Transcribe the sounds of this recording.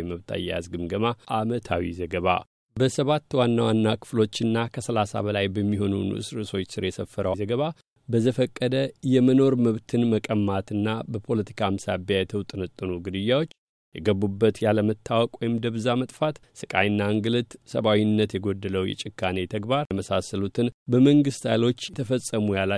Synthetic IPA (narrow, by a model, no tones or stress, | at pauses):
məβt̪ʰa̰jːa̰zɡɨmɡəmaʔamət̪ʰawḭzəɡəβa̰ | bəsəβat̪ːwanːawanːakʰɨ̥flo̞t͡ʃːɨnːakʰəsəlasa̰bəlajbəmːiɦo̞nṵnʔɨ̰sɾɨso̞t͡ʃːsɨɾjɛsəfːəɾəzəɡəβa | bəzəfəkʼːəd̪əjɛməno̞ɾməβt̪ʰɨnməkʼəmːat̪ɨnːabəpʰo̞lət̪ʰi̥kʰamsabjajɛt̪ʰəwt̪ʼɨnət̪ʼːɨnuɡɨd̪ɨjːawo̞t͡ʃː | jɛɡəbːubːət̪jaləmət̪ʰːawɔkʼwojɪmd̪əβzamət̪ʼfat̪sɨkʼa̰jɨnːaŋɡɨlɨt̪sə̰βawinːət̪jɛɡo̞d̪ːələwjɛ̰t͡ʃʼɪkʰːanet̪ʰəɡbaɾməsasəlut̪ʰɨnbəməŋɡɨst̪a̰jlo̞t͡ʃːjt̪ʰəfəsʼːəmujala